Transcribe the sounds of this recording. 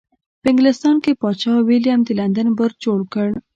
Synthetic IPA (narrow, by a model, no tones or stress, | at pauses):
peŋɡlest̪ɑnkepɔt͡ɕʰaʋiljamd̪ilãnd̪ənbəɾt͡ɕoɭkəɳ